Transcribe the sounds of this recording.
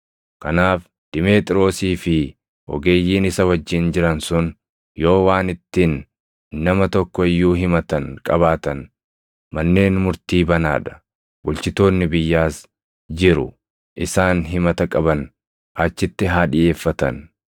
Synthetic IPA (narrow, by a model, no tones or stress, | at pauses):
kɐnaːf | d̪̥ɪmeːt̪ʼɪɾo̞ːsiːfɪ | ʔɔ̰ɡe̞ːjːiːnɪsɐwɐd͡ʒːɪnd͡ʒɪɾɐnsʊn | jo̞ːwaːnɪt̪ːɪnː | ɐmɐt̪ɔkːɔɪjːuːɦɪmɐt̪ɐnkʼɐβaːt̪ɐn | mɐnːe̞ːnmʊɾt̪iːbɐna̰ːᶑɐ̥ | bʊlt͡ʃɪt̪o̞ːnːɪbɪjːaːs | d͡ʒɪɾʊ̰ | ʔɪsaːnɦɪmɐt̪ɐkʼɐbɐn | ʔɐt͡ʃːɪt̪ːɪɦaːᶑɪʔe̞ːfːɐt̪ɐ̰n